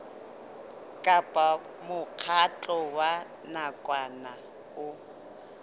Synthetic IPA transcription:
kʼapʼa | mʊq͡χʰat͡ɬʼɔwa | nakʼwana | ʊ

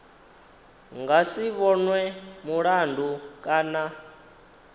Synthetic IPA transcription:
ŋɡasiβɔnwɛmuɺandʱukʼaːna

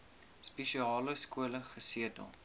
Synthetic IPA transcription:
spɛʃiɑːləskuələχəsiətə̰lˠ

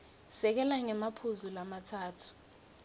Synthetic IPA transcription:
sɛk̬ɛlaŋɛmapʰuzulamatʰaːtʰu̥

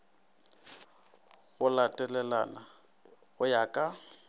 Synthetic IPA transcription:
ɣʊlatʼɛlɛla̰na | ɣʊjakʼa

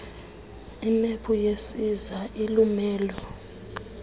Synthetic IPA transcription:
imepʰujesizaʔilumɛːlɔ

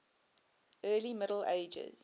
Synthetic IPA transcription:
ɜːlimɪɾəl̩eɪd͡ʒə̰z̥

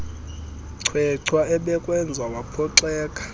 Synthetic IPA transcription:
ǀʰwɛǀʰwaɛɓɛkʼwɛnd͡zʱaɓapʰɔǀɛːkʼḁ

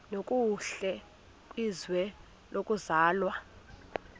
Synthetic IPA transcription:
nokʼuɬɛ | izwɛ | lʔokʼuzaːlwa

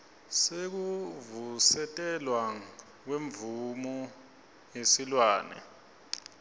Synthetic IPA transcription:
sek̬uvusɛtʼɛlwa | k̬weɱbvumɔ | jesilwaːnɛ̰

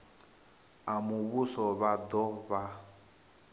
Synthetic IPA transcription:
amuβusɔβad̪ɔβa

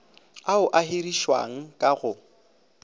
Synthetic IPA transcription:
aʊʔaɦeriʃwa̰ŋ̩kʼaɣʊ

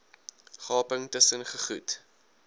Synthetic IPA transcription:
χɑːpəŋtəsənχəχut

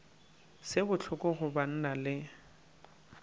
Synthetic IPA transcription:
sɪbʊt͡ɬʰʊkʊɣʊban̩nalɪ

